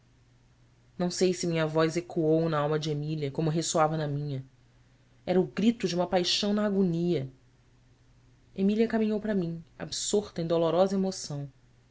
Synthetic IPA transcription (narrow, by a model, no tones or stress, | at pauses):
nɐ̃w̃sejsɪmĩɲɐvɔzekuownɐawmɐd͡ʒɪemiliɐkõmʊɦesoavɐnɐmĩɲɐ | ɛɾɐʊɡɾit̪ʊd͡ʒɪũmɐpajʃɐ̃w̃nɐːɡoniɐ | emiliɐkamĩɲowpɾɐmĩa̰bsoɾt̪ɐẽd̪olɔɾɔzɐemosɐ̃w̃